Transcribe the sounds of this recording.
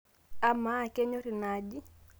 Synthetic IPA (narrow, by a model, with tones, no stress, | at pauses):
a˦ma˦˨kɛ˦ɲo˦ɾi˨na˨d͡ʒi˦